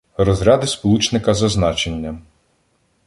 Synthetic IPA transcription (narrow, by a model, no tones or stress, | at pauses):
rɔzɾʲɑd̪ɪspɔlˠut͡ʃnɪkɐzɐznɑt͡ʃenʲːɐ